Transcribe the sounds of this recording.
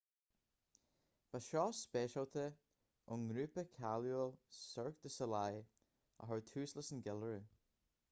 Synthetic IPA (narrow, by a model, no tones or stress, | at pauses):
v̥aʃɔːspeːʃawt̪ʰə | ʊŋɡɾʉːpəkʰaljolsœɹk̚d̪əsəlaj | a̰ɦɔɹt̪ʰʉːsləsənɡɛləɹə